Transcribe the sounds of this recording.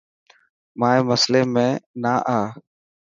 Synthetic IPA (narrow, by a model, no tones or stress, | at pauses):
mãːeːməsleːmẽːnaːʔaː